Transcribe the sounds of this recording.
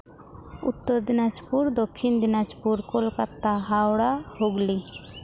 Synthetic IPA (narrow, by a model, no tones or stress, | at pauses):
ṵt̪ːɔɾd̪inad͡ʒpuɾd̪ɔkʰːind̪inad͡ʒpuɾkolkat̪ːaɦawɽahoɡli